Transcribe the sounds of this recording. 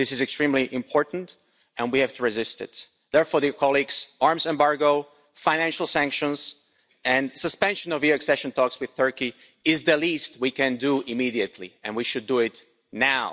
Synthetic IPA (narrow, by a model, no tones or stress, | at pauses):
ðɪsɨzɨkstɹ̥ĩmliʔɪ̃mpʰɔɹʔn̩t | ɨ̃nwihæv̥tuɹɨzɪstɪ̰t̪ | ðɛɹfɔɹðəkʰɑlˠiɡz̥ɑɹmzɛ̃mbɑɹɡoʊ | fãɪ̃næ̃nʃl̩ˠsæ̃ŋkʃə̃nz | ɨ̃nsɨspɛ̃nʃɨ̃nʌviɨksɛʃə̃ntʰɔkswɨð̥θɜ˞ki | ɪzðəlist̚wikɨ̃nduʔɪmiɾiɨtʰˡlḭɨ̃nwiʃɨdɨɪt | naʊ